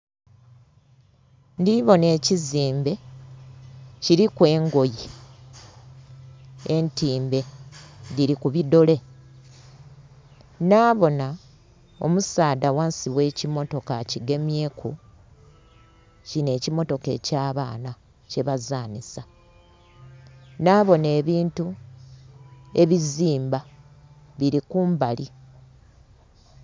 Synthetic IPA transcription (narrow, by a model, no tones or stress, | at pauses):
ndiβo̞ne̞ːciziːmbe̞ | ciɾikwe̞ːŋɡo̞ji | entiːmbe̞diɾikuβido̞le̞ | naːβo̞na | o̞̰musaːdawaːnsiβwe̞ːcimo̞to̞kaciɡe̞mje̞ːkʰu | cine̞ːcimo̞to̞ke̞̰ːcaːβaːna | ce̞βazaːnisa | naːβo̞ne̞ːβiːntu | e̞βiziːmba | βiɾikuːmbali